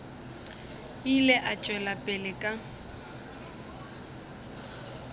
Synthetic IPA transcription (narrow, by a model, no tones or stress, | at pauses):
ilɛʔat͡ʃʼwɛlapʼɪlɪkʼa